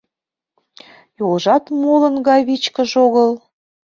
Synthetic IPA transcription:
jolʒɑt̪molənɡɑjβit͡ɕkə̆ʒoɣəl

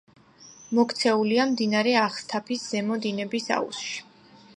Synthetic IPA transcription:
mɔkt̪sʰɛuliamd̪inaɾɛaχst̪ʰapʰisz̥ɛmɔd̪inɛbisa̰ṵsʃi̥

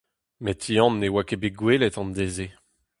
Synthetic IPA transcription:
met̪ʰːiɑ̃nːewakebeɡwelet̪ɑ̃nd̪eze

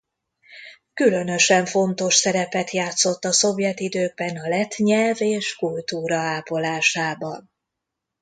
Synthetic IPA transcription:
kylø̞nø̞ʃɛɱfo̞nt̪o̞ʃsɛɾɛpɛt̪jaːt̪so̞t̪ːɒso̞vjɛt̪id̪øːɡ̚bɛnɒlɛt̪ɲɛlveːʃkult̪uːɾɒaːpo̞laːʃaːbɒn

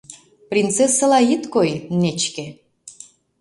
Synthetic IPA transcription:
prʲint̪t͡sesːəlɑit̪kojnet͡ɕkĕ

